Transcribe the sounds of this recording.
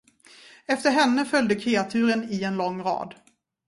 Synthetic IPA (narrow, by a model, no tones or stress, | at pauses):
ɛft̪əɾɦɛnːəfœljd̪əkʰɾeːat̪ʰʉ̟ːɾənɪɛnlɔŋːɾɑ̰ːd̪